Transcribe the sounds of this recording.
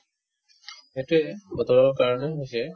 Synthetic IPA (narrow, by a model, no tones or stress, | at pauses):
etuɛbɔt̪ɔɹɔɹkaɹɔnɛɦojsɛ